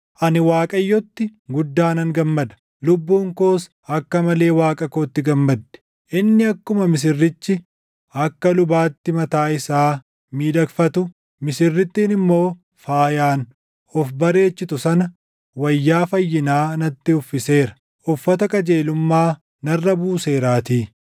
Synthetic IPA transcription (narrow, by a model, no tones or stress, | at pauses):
ʔɐnɪwaːkʼɐjːɔt̪ːɪɡʊd̪ːaːnɐŋɡɐmːɐd̪ɐ̥ | lʊbːuːŋkoːs | ɐkːɐmɐle̞ːwaːkʼɐkoːt̪ːɪɡɐmːɐd̪ːɛ̥ | ʔɪnːɪɐkːʊmɐmɪs̬ɪrːɪt͡ʃːɪ | ɐkːɐlʊbaːt̪ːɪmɐt̪aːɪsaː | miːd̪ɐkfɐt̪ʊ | mɪsɪrːɪt̪ːiːnɪmːo̞ː | faːjaːn | ɔfbɐɾe̞ːt͡ʃːɪt̪ʊsɐnɐ | wɐjːaːfɐjːɪnaːnɐt̪ːɪʊfːɪse̞ːɾɐ̥ | ʔʊfːɐt̪ɐkʼɐd͡ʒe̞ːlʊmːaː | nɐrːɐbuːse̞ːɾaːt̪iː